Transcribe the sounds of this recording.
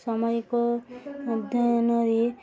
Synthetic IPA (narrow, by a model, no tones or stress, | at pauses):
sɔmɔjko | d̪ʱnɔɾi